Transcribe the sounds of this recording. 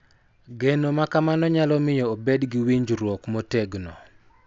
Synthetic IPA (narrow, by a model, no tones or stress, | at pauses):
ɡenomakamanɔɲalɔmɪjɔobedɡɪwiɲd͡ʒɾwɔkmoteɡnɔ